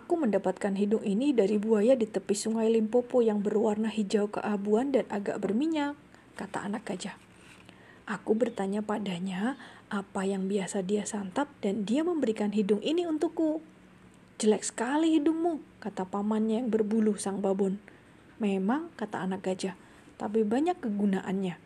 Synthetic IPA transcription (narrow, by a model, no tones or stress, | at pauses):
ʔakuməndapat̪̚kanɦidʊŋinidaɾibuajadit̪əpɪsuŋajlimpopojaŋbərwarnaɦid͡ʒaukə̰ʔabuandanʔaɡa̰ʔbərmiɲakː | at̪a̰ʔːnak̚ɡad͡ʒa | ʔakubərt̪aɲapadaɲaʔapajaŋbiasadiasant̪at̚dandiaməmbəɾikanɦidʊŋʔiniunt̪ukːu | d͡ʒəlɛk̚sə̥kaliɦidʊk̚mukat̪apamanɲajaŋbərbulʊhsaŋbabʊn | memaŋkat̪a̰ːnak̚ɡad͡ʒah | t̪ap̬ibaɲakːəɡunaʔa̰nɲa